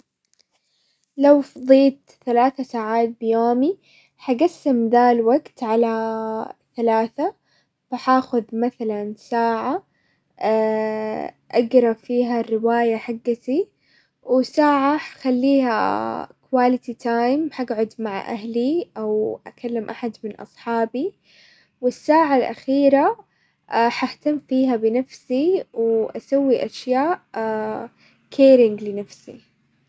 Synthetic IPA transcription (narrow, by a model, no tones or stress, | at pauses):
lawfd̪ˤiːt̪ | θalaːθasaːʕaːt̪̚bɪjoːmi | ħaɡasːɪmd̪alwaɡt̪ʕala | θalaːθa | faħaːxʊðmaθalansaːʕa | ʔaɡɾˤɑbfiːɦarːɪwaːjaħaɡːat̪i | wɪsaːʕaxalːiːha̰kwaːlɪt̪it̪ʰaːjmħaɡʕʊd̪maʕa̰ʔa̰ɦliʔawʔa̰kalːɪmʔaħad̪mɪnʔɑ̰sˤħɑːbi | wɪsːaːʕalʔa̰xiːɾa | ħaht̪amːfiːɦabɪnafsiwʔasawːiʔaʃjaːʔʔ | kʰeːɾɪŋɡlɪnafsḭ